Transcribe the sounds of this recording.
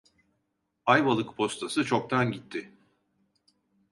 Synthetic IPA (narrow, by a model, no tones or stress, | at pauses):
ajbalˠɯkpʰo̞st̪ʰasɯt͡ʃʰo̞k̚t̪ʰanɟit̪ʰːɪ